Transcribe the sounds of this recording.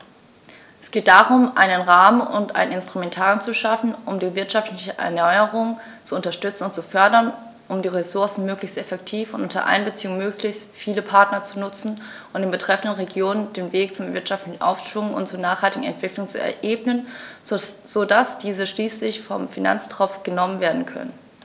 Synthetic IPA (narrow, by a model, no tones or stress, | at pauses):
ʔɛsɡ̥eːt̚d̥aːʁʊmʔaɪnənʁaːmənʊ̰ntʔa̰ɪnɪnstʁ̥umɛntʰaːʁjʊnt͡suʃafn̩ʔʊmdiːvɪɐtʃaftlɪçəʔɛ̰ɐnɔʏəʁʊŋ | t͡suʊntɐʃtʏt͡sn̩ʊntt͡sufœɐdɐn | ʔʊmdiːʁesʊɐsn̩møːklɪçstɛfɛktʰiːfʊntʔʊntɐ̰ʔa̰ɪnbət͡siːʊŋmøːklɪçstfiːləpʰaɐtnɐt͡sunʊt͡sn̩ | ʔʔʊntd̥eːnbətʁ̥ɛfn̩dənʁeɡjoːnənd̥eːnveːkt͡sʊmvɪɐtʃaftlɪçn̩ʔa̰ʊfʃv̥ʊŋənʊ̰ntt͡suːɐnaːχhaltɪɡŋ̩ɛ̰ntv̥ɪklʊŋt͡sṵɛ̰ɐʔeːbnən | z̥odasd̥iːzəʃliːslɪçfɔmfina̰nt͡stʁ̥ɔp͡fɡ̥ənɔmənveːɐdn̩kʰœ̰nə̰n